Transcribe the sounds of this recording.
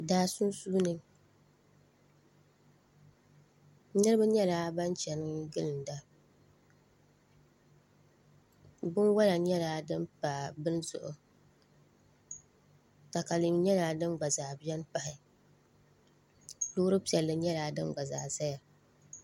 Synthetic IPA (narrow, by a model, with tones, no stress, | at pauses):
daː˦su˦n˦suː˦nɨ˦ | nɨ˦ɾɨ˦ba˦ɲɛ˦laː˦ba˦nt͡ʃɛ˨nɨ˦ɡɨ˦lɨ˨n˨da˦ | bʊ˦nwa˦la˨ɲɛ˦laː˨˦dɨ˦mpaː˨bɨ˦nzʊ̰˨ʔʊ̰˨ | ta˨ka˨li˨˦ɲɛ˦laː˨dɨ˦nɡ͡ba˨zaː˨bɛ˦n˦pa˨hɪ˨ | lʊː˦ɾɨ˦pi˨ɛ˨lːɨ˦ɲɛ˦laː˨dɨ˦nɡ͡ba˨za̰ː˨za˦ja˨